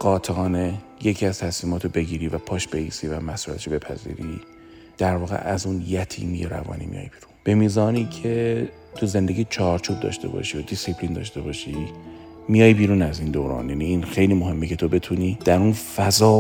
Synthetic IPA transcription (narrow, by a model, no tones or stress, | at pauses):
ɢɒːt̪ʰeɒːne̞je̞cʰiæz̥t̪ʰæsmiːmɒːt̪ʰobe̞ɡiːɾiːvæpʰɒːʃbeiːsivæmæsuɾæ̰t̪e̥ʃobe̞pʰæ̰zḭːɾi | d̪̥æɾvɒːɣḛʔæzunjæt̪ʰḭːmijeɾæ̰vɒ̰ːnḭmḭjɒ̰ːjbiːɾunb̥e̞miːzɒːniːcʰe̞ | t̪ʰuze̞nd̪e̞ɡɟiːt͡ʃʰɒɾt͡ʃʰuːb̚d̪ɒ̰ːʃt̪e̞̰bɒ̰ʃijod̪isipʰlind̪ɒ̰ːʃt̪e̞bɒːʃi | mijɒːjbiːɾuːnæziːnd̪oːɾɒ̰ːnjæniinxejliːmoɦe̞mːecʰe̞t̪ʰo̞be̞t̪ʰuniːd̪̥æɾunfæzɒː